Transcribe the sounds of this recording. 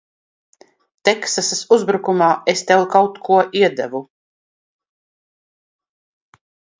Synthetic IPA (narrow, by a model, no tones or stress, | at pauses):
t̪ɛksasasuzbɾukumaːest̪ɛlkawt̪kʰuɔʔiɛd̪ævu